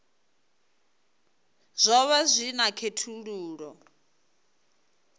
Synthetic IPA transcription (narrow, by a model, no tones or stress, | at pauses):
z̥ʷɔβazʷinakʰetʰuɺuːɺɔ